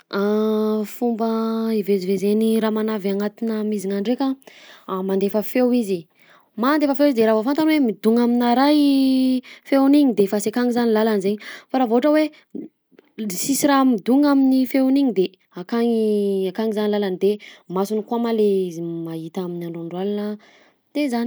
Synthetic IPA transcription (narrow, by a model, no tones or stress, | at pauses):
afumbəivezivezeniɾamanavaŋat̪inəmiziŋaɳɖ͡ʐekaamand̪efəfewizi | mand̪efəfewizd̪eɾavofant̪anwemid̪uŋaminaɾaj | fewniɲid̪efasekaŋizanilalanizeɲifaɾavoaʈ͡ʂəwe | sisiɾamid̪uŋaminifewniɲid̪e | akaŋakaŋizanilalanid̪emasunikuamalemaɦit̪aminaɳɖ͡ʐoɳɖ͡ʐwalanə | t̪ezani